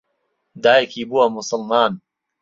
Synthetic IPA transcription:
d̪aːjkibuwɐmʊsɐlmaːn

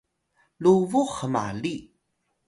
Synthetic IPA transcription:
luvuχəma̰li

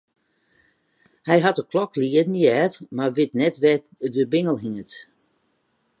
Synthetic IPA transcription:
hɛjɦatəkʰlɔkʰliədn̩iɛtmarʋɪtnɛtʋɛ | dəbɪŋəlˠɦiŋət

